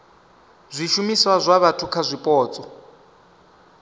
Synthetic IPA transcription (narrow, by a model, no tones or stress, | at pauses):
zʷiʃumiswazʷaβatʰukʰazʷipʼɔːt͡sʼɔ